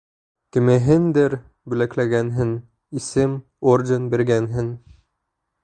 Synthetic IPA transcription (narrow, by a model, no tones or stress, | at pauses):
kɘ̆mɘ̆ɦɘnd̪ɘɾ | bʉ̆læklæɡænɦɘn | isɘm | ordʲenbiɾɡænɦɘn